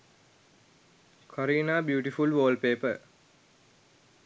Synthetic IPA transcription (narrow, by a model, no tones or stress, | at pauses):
kʰoɾiːnaːbjuːʈifulʋoːlpeːpə